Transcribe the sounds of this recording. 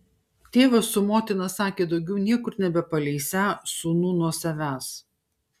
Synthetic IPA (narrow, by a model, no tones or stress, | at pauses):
t̪ʲeːʋɐsːʊmoːt̪ʲɪnɐsɑːkʲeːd̪ɒʊɡʲɛʊnʲiɛkʊɾnʲɛbʲɛpɐlʲɛɪsʲæːsuːnuːnuɔsɐʋʲæːs